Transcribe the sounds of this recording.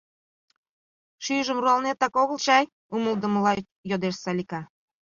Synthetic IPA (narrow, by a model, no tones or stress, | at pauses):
ʃyʒəmruɑlnet̪ːɑkoɣəlt͡ɕɑj | uməld̪ə̆məlɑ | jod̪eʃsɑlʲikɑ